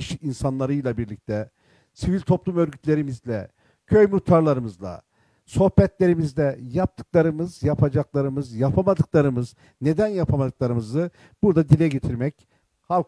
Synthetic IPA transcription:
iʃinsanlˠaɾɯjlˠabiɾlʲic̚t̪ʰɛ | sivilʲt̪ʰo̞plˠumø̞ɾɟyt̪lʲe̞ɾimizlʲɛ̰ | cʰø̞jmut̪ʰːaɾlˠaɾɯmɯzlˠa̰ | so̞hbɛt̪lʲe̞ɾimizlʲɛjap̚t̪ʰɯ̥klˠaɾɯmɯzjapʰad͡ʒaklˠaɾɯmɯzjapʰamad̪ɯklˠaɾɯmɯz | ne̞d̪ænjapʰamad̪ɯklˠaɾɯmɯzɯ | b̥uɾd̪ad̪ilʲɛɟet̪ʰiɾmɛc | halˠ

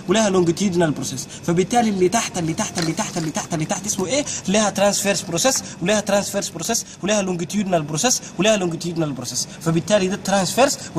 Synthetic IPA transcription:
wlehælʊŋɡɪt̪iːd̪nalbɾoses | fæbɪt̪ːaːlilːit̪aħt̪ælːit̪aħt̪ælːit̪aħt̪ælːit̪aħt̪ælit̪aħt̪ʔɪsmuʔeliːhæt̪ɾansfeɾsbɾoseswliːhæt̪ɾansfeɾsbɾoseswliːhælʊŋɡɪt̪juːd̪nalbɾoseswliːhælʊŋɡɪt̪juːd̪nalbɾosɛs | fæbɪt̪ːaːlid̪æt̪ːɾansfeɾsw

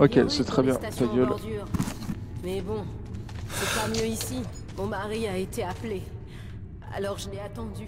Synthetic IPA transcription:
okʲesɛt̪χɛbjɛ̃t̪asjt̪ãɡʲœlʁd̪yʁ | mɛbɔ̃ | sɛpamjøisi | mɔ̃maʁiaet̪eaple | a̰lɔʁʒəlɛat̪ɑ̃d̪y

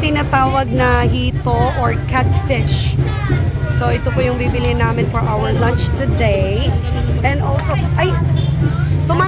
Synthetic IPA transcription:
t̪ɪnaːt̪aːwɐɡ̚nɐhiːt̪oʔoɹkat̪fɪʃ | soʔɪt̪opojʊŋbibɪlɪnaːmɪnfɔɹʔawəɹlɐ̃nt͡ʃt̪ʊd̪ej | ʔɛ̃nd̪olsoʔɐj | t̪ʊmaː

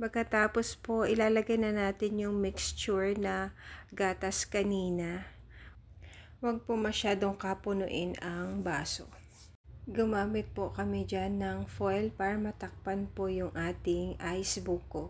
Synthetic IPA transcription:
pɐɡ̚kɐt̪aːpo̞spo̞ʔɪlaːlɐɡajnɐnaːt̪ɪnjʊŋmɪkst͡ʃʊɹnɐɡaːt̪ɐskɐniːnɐ | wɐɡ̚pomɐʃaːd̪o̞ŋkɐpʊnʊ̰ʔɪnɐŋbaːso̞̰ | ɡʊmaːmɪt̪̚pokɐmɛd͡ʒanːɐŋfojlpaːɾɐmɐt̪ɐk̚panpojʊŋʔaːt̪ɪŋʔajsbukːo

